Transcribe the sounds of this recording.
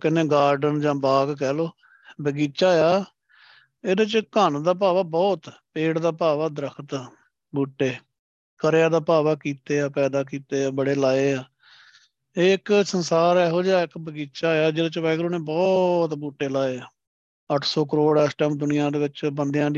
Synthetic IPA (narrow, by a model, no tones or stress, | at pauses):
kɪnẽːɡaːɾɖənd͡ʒãːbaːɡkɛːloː | bəɡiːt͡ʃaːjaː | eːd̪ẽt͡ʃkand̪aːp̬aːʋaːbɔːt̪peːɽd̪aːpaːʋaːd̪əɾəkʰt̪ː | buːʈːeː | kəɾjaːd̪aːpaːʋaːkiːt̪eːaːpɛːd̪aːk̬iːt̪eːaːbəɽeːlaːeːaː | eːɪksənsaːɾɛːɦoːd͡ʒaːɪkbəɡiːt͡ʃaːjaːd͡ʒeːdaːt͡ʃʋɛːkəɾoːnẽːbɔːt̪buːʈːeːlaːeːaː | əʈʰsɔːkəɾoːɽɛːsʈɛːmd̪ʊnɪjãːd̪eːʋɪt͡ʃbənd̪ejãːd̪